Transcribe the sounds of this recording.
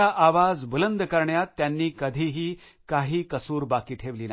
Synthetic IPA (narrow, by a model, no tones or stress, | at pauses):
aʔaʋad͡zbələnd̪kəɾɳjat̪ːjanːiːkəd̪ʱiɦiː | kaɦiːkəsuːɾbakiːʈʰeʋliːn